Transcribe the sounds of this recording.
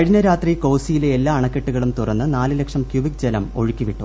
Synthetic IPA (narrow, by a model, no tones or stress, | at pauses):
ɐɻinɐɾaːt̪riko̞ːsijileelːaːɐɳɐkːe̞ʈːuɣɐɭumt̪urɐnːɨnaːlɨlekʂɐmkjubik̚d͡ʑelɐmo̞̰ɻukʲːiʋiʈːṵ